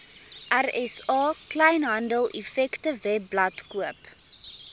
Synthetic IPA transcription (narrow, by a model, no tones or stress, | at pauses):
ʔærɛsɑːklɛjnɦɐndəlˠɛfɛktəvɛblɐtkuəp